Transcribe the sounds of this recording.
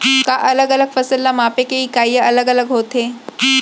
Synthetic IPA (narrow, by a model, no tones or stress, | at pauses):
kaʔɐləɡələɡfɐsəlːamaːpekeɦikaːjəɐləɡələɡɦoːt̪eː